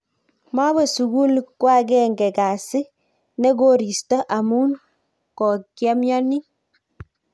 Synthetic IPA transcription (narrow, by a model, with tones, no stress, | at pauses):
ma˦βɔ˨su˨ɡu˦lkwa˦ɡɛ˦ŋɡɛ˨ka˨si˦ | nɛ˦ɡo˦ɾi˨stɔ˦ʔa˨mu˦n | kɔ˨kja˦mjɔ˦ni˦